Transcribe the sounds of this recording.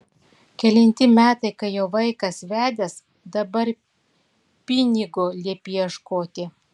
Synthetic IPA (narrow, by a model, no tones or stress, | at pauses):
kʲɛlʲɛnʲt̪ʲɪmʲæːt̪ɐɪkɐɪjoːʋɐɪkɐsʋʲæːd̪ʲɛs | d̪ɐbɐɾ | pʲɪnʲɪɡolʲiɛpʲijɛʃkoːt̪ʲɪ